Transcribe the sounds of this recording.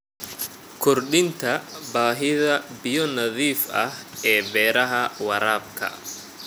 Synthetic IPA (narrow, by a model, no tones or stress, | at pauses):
kʰɔrɗɪnt̪ʰɐbaːɦɪðɐbɪjɔnɐðiːfɐhɛːbɛːɾɐɦɐwɐɾaːb̚kʰɐ̰